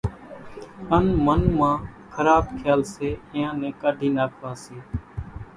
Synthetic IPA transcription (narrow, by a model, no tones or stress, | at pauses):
ənmənmãːkʰəɾaːbkʰjaːlseːɪ̃jãːnẽːkəɖʱiːnaːpʋãːseː